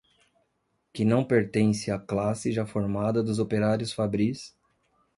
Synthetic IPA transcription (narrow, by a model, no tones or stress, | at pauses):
kɪnɐ̃w̃peɾt̪ẽsɪaklasɪʒafoɾmad̪ɐd̪ʊzopeɾaɾjʊsfabɾis